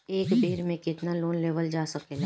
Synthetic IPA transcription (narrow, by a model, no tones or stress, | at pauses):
eːkbeːɾmẽkɪt̪naloːnleːʋəld͡ʒaːsɐkela